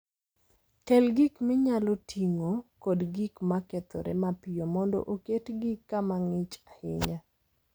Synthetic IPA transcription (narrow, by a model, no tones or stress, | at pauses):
kɛlɡikmɪɲalotʰiŋokɔdɡikmakɛt̪ɔ̰ɾɛ̰mapɪjomɔndɔ̰ʔoketɡɪkːamaŋɪt͡ʃahɪ̰ɲa